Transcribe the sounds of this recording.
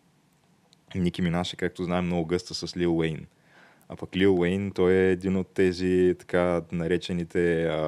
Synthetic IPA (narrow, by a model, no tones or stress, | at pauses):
nik̟iminaʃɛ̥kak̚t̪oznaɛmnɔɡʊɡɤst̪əsəslilˠɛjn | a̰pɐklilˠwɛjnt̪ɔɛːd̪inot̪ːɛzit̪ɐ̥kanɐɾɛt͡ʃɛnit̪ɛ